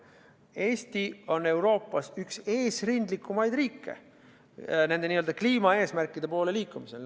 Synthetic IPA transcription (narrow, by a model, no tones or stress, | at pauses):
e̞ːst̪io̞ne̞wɾo̞ːpːˑɑsykse̞ːsrind̪likːumɑjd̪riːkːe̞̰ | ne̞nd̪e̞niːøld̪̥ɑkliːmɑe̞ːsmærkˑːid̪e̞po̞ːleliːkːˑumise̞̰l